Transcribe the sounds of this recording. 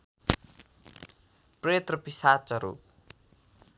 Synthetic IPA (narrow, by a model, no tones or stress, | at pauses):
pret̪rʌpisat͡sʌɾṵ